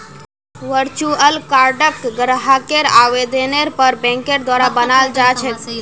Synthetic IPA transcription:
ʋəɾt͡ʃuəlkaɾɖəkɡɾɦakeɾaʋed̪eneɾpəɾbɛ̃ŋkeɾd̪waɾabənaːld͡ʒat͡ʃʰɛt̪

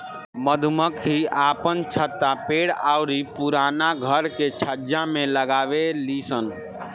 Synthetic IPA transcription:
məd̪ʱuməkɦiapənt͡ʃʰət̪ːapeɽaʊɾipuɾanaɡʱəɾket͡ʃʰəd͡ʒameləɡabelisən

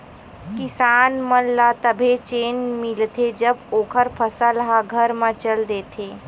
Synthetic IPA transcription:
kɪsaːnmənlat̪əbʱet͡ʃeːnmɪlt̪ʰed͡ʒəboːkʰəɾpʰəsəlɦaɡʱəɾmãt͡ʃəld̪eːt̪ʰeː

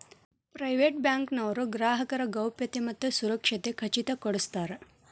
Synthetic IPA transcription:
pɾajʋeʈ̚bjãŋknəʋɾoɡɾaːɦəkəɾəɡəwpjɐt̪eməd̪ʱːəsuɾəkʂet̪ekʰət͡ɕit̪akəɽəst̪aɾ

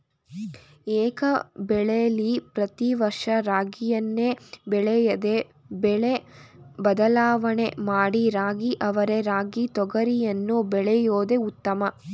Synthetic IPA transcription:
ɛːkɐbɛɭejɐlipɾɐt̪iʋɐɾʂɐɾaːɡijɐnːeːbɛɭɛjɐd̪e̞ | bɛɭebɐd̪ɐlaːʋɐɳe̞maːɽiɾaːɡiʔɐʋɐɾe̞ɾaːɡit̪ɔɡɐɾijɐnːubɛɭɛjoːd̪e̞ut̪ːɐmɐ

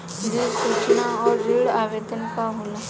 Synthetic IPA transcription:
d̪isut͡ʃnaɔːɾːiːɽaːʋed̪ənkaɦula

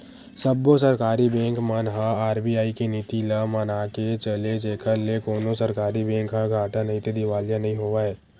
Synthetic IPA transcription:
səbːos̬əɾkaːɾibɛ̃ːŋkmənɦaaːɾbiːaːikenit̪iləmənaːket͡ʃəled͡ʒeːkʰəɾlekoːnosəɾkaːɾibɛ̃ːŋkɦaɡʱaːʈãnɐɦĩt̪ed̪ɪʋaːlijãnɐɦĩɦoːʋaːɦɛː

